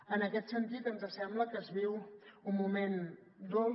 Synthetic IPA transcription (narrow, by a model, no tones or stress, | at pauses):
ənəkɛt̪sənt̪it̪ənzəsɛmbləkəzβiwumːumen | d̪o